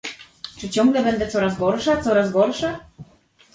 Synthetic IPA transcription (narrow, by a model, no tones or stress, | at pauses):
t͡ʂɘt͡ɕɔŋɡlɛbɛnd̪ɛt̪sɔɾazɡɔɾʂat̪sɔɾazɡɔɾʂa